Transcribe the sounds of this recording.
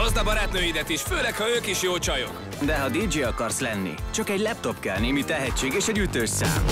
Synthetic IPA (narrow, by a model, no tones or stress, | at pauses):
ozd̪ɒbɒɾaːt̪nøːjid̪ɛt̪iʃføːlɛkhɒøːkiʃjoːlt͡ʃɒjok | d̪ɛɦɒd̪iːd͡ʒeːɒkɒrslɛnːḭt͡ʃɒkɛɟlɛp̚t̪o̞pkɛlneːmit̪ɛɦɛct͡ʃːeːɡeːʃɛɟyt̪øːʃsa̰ːm